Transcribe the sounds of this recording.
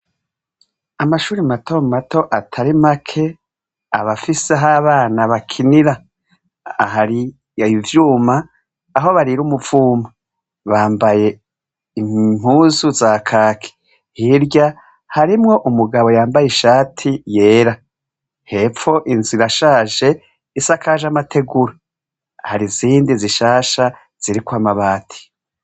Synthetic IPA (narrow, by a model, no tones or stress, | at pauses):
amaʃuːɾimato̞mato̞ʔatʰaɾimakʰe̞ | aβafiseɦaːβaːnaβakʰiniɾa | ɦaɾi | vjuːmaː | ɦo̞βaɾiɾuːmuv̥uːma | βaːmbaje̞ | im̥uːzuzakʰaːkʰe̥ | hiɾɟa | haɾimŋo̞ʔumuɡaβo̞jaːmbajeʃaːtʰije̞ːɾa | he̞fo̞ʔinziɾaʃaːʒe̞ | isakaʒamatʰe̞ɡuɾa | haɾiziːndiziʃaːʃa | z̥iɾikwaːmaβaːtʰi̥